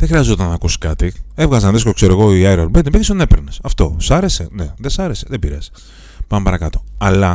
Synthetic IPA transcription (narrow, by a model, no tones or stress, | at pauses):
ðexɾiɐzzot̪ɐnɐːkusi̥kɐt̪ievɣɐzɐnðeskokseɾoeɣoiajɾolbend̪ipiist̪onepeɾnesɐft̪o̞sɐɾe̞sene̞ðe̞sɐɾe̞seðebiɾes | pɐmepɐɾɐkɐt̪o̞ɐlɐ